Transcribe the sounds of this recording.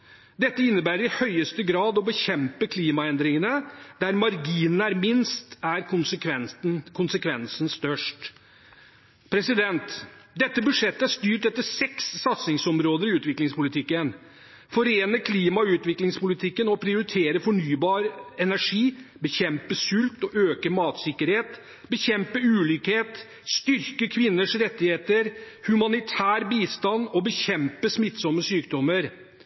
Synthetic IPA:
d̪ɛt̪ːəɪnːəbæːɾəɾɪhœʏəst̪əɡɾɑːd̪ɔbəçɛmpəkʰliːmɑɛnd̪ɾɪŋənəd̪̥æɾmɑɾɡiːnnəæɾmɪnst̪æɾkʊnsʰʋɛkʰʊnsəkʰʋɛnsənst̪œʂʈ | pʰɾɛsɪd̪ɛnt̪d̪ɛt̪ːəbʉd̪ʂɛt̪ːəæʂt̪yːʈɛt̪ːəsɛksːɑt̪snɪŋsɔmɾoːd̪əɾɪʉːt̪ʋɪklɪŋspʊlɪt̪ʰɪkːən | fɔɾeːnəkʰliːmɑʉːt̪ʋɪklɪŋspʊlɪt̪ʰɪkːənɔpʰɾɪʊɾɪt̪ʰeːɾəfɔɳyːbɑːɾəɛnæʂiːbəçɛmpəsʉlt̪ɔʔøːkəmɑːt̪sɪkːəɾheːt̪ | bəçɛmpəʉːlʏkheːt̪ | st̪ʏɾkəkʰʋɪnːəʂɾɛt̪ːɪheːt̪əɾ | hʉmɑnɪt̪ʰæːɾbiːst̪ɑnɔbəçɛmpəsmɪt̪ːsɔmːəsyːk̚d̪ɔmːəɾ

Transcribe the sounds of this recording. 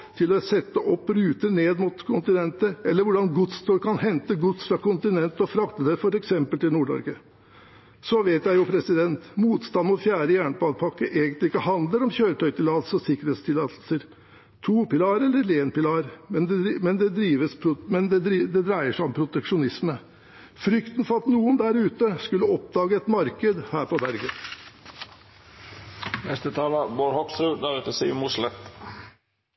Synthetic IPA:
t̪ʰɪlɔsɛt̪ːəʔɔpːɾʉːt̪əɳeːd̪mʊt̪kʰʊnt̪ɪnɛnt̪əɛlːəɾʋʊɖɑnɡʊt̪st̪ʰoːɾkʰɑnɦɛnt̪əɡʊt̪sfɾɑkʊnt̪ɪnɛnt̪əɔfɾɑkt̪əd̪ɛfɔɾɛksɛmpəlt̪ɪlnuːɖɔ̰ɾɡə | sɔʋeɪt̪jæɪjʊpʰɾɛsɪd̪ɛnt̪muːt̪st̪ɑnmʊt̪fjæːɾəjæːɳbɑːd̪pʰɑkːəʔeːɡənt̪lɪɪkːəhɑnd̪ləɾɔmçøːɾət̪ʰœʏt̪ʰɪlɑlsɔsɪkːɾəheːt̪st̪ʰɪlɑːt̪l̩səɾ | t̪ʰuːpɪlɑːɾɛlːəɾleːnpɪlɑːɾmɛnmɛnd̪ɛd̪ɾiːʋəspʰɾmɛnd̪ɛd̪ɾd̪ɛd̪ɾæɪəʂæɪɔmpʰɾʊt̪ɛkʂʊnɪsmə | fɾʏkt̪n̩fɔɾɑt̪nuːənd̪æɾʉːt̪əskʉlːəɔp̚d̪ɑːɡəɛt̪mɑɾkəd̪hæːɾpɔbæɾɡən | nɛst̪ət̪ʰɑːləboːɾhɔksɾʉːd̪æɾʉt̪əsḭmʊʂlɛt̪

